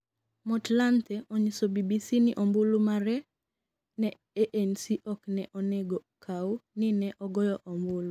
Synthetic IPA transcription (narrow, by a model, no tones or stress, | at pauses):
mɔtlant̪ɛoɲisobibisinɪʔɔmbʊlumaɾɛ | nɛ | eʔensiʔɔknɛʔɔneɡɔkʰaunɪnɛʔɔɡɔjɔʔɔmbʊlu